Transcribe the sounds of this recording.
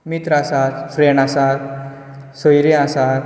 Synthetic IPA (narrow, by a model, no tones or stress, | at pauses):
mit̪ɾasat̪fɾeɳasaɾ | sojɾẽasaɾ